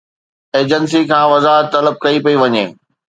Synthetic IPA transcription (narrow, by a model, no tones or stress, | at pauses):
eːd͡ʑəns̬ikʰãːʋɐzaːɦət̪ːɐləb̚kɐipɐiʋɐɲeː